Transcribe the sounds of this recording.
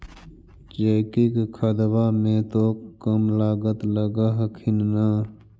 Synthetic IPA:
d͡ʒəɪkikkʰəd̪bamẽt̪okəmlaːɡət̪ləɡaɦkʰɪnna

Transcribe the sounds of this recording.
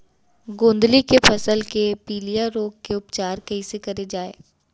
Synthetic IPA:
ɡõːnd̪likepʰɐsəlkepiːlijaɾoːɡ̚keʊpt͡ʃaːɾkɐisekɐɾed͡ʒaːḛː

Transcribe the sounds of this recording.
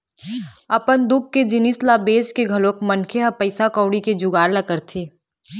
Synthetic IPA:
ɐpənd̪ʊɡ̚ked͡ʒɪnislabeːskeɡʱɐloːkmɐnkʰeɦɐpəɪsakɔːɽiked͡ʒʊɡaːɾlɐkəɾt̪ʰiː

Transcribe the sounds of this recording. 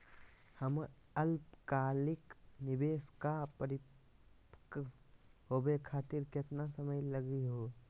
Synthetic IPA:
həm | ɐlpkaːlɪknɪbeːskapəɾɪ | k | ɦoːbekʰaːt̪ɪɾkɪt̪nasəməjlɐɡiɦoː

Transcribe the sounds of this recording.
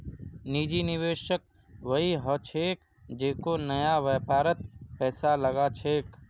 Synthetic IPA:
niːd͡ʒinɪʋeːʃək̚ | ʋəiɦət͡ʃʰeːk | d͡ʒeːkonəjaʋːpaːɾət̪̚pɛːsaləɡat͡ʃʰeːk

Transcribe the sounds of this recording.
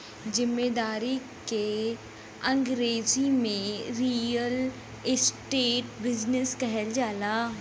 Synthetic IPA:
zɪmːeːd̪aːɾike | ɐ̃ŋɡɾeːzimẽɾiːəl | ɪsʈeːʈbɪd͡ʒnɪskɛɦɛld͡ʒaːlaː

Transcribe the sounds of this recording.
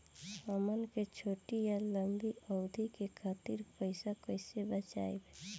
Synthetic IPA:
əmənket͡ʃʰoːʈijaləŋɡiəʊd̪ʱikekʰaːt̪iɾpəɪsakəɪsebət͡ʃa̰ːebe

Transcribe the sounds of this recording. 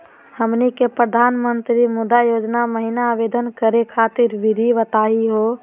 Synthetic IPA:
həmnikepɾəd̪ʱanmənt̪ɾimud̪ajod͡ʒnaməɦinaːʋed̪ənkəɾekʰat̪iɾʋiɾʱiʋət̪aiɦo

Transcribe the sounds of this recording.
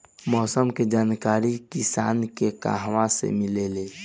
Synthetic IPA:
mɔːsəmked͡ʒaːnkaɾikisa̰ːnkeka̰ɦwasḛmilele

